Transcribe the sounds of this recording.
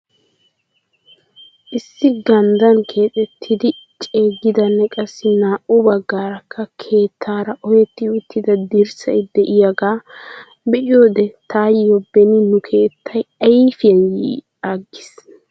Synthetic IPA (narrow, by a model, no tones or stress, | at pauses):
ʔɪsːɪɡɐnd̪ɐnkʰe̞ːt̪ʼɛt̪ʰːɪd̪ɪt͡ʃʼe̞ːɡːɪd̪ɐnːɛkʼɐsːɪnaːʔʊbɐɡːaːɾɐkʰːɐkʰe̞ːt̪ʰːaːɾɐʔɔjɛt̪ːɪʊt̪ʰːɪd̪ɐd̪ɪɾsɐɪd̪ɛʔɪjɐɡaː | bɛʔɪjoːd̪ɛt̪aːjjɔbːɛnːɪnʊkʰe̞ːt̪ʰːɐjɐfɪjɐnjḭː | aːɡːɪs